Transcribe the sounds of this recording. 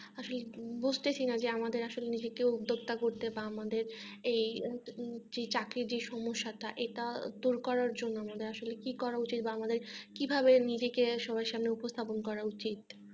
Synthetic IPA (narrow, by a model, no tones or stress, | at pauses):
aʃolebud͡ʑʱt̪et͡ɕʰinad͡ʑeamad̪eɾaʃolenid͡ʑekeud̪ʱːoɡ̚t̪akoɾt̪ebaamad̪eɾej | d͡ʑet͡ɕakɾiɾd͡ʑeʃɔmoʃːaʈaʔeʈad̪uɾkɔɾaɾd͡ʑonːoamad̪eɾaʃolekikɔɾaut͡ɕit̪baamad̪eɾkibʱabenid͡ʑekeʃɔbaeʃamneupost̪ʰaponkɔɾaut͡ɕit̪̚